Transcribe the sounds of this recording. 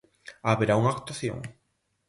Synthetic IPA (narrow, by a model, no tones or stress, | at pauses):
aβeɾauŋakt̪waθjõ̰ŋ